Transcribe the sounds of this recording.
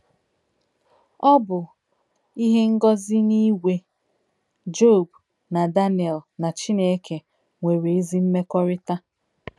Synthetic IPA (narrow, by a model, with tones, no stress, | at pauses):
ɔ˦bʊ˨ | i˦ɦe˦ŋ̩˦ɡɔ˦zɪ˦ni˦wʷe˦ | d͡ʒo˦˨b | na˨da˦ni˨ɛ˨lna˨t͡ʃi˦ne˦ke˨ | ŋʷe˨ɾe˨e˦zi˦m̩˦me˦kɔ˦ɾɪ˦ta˦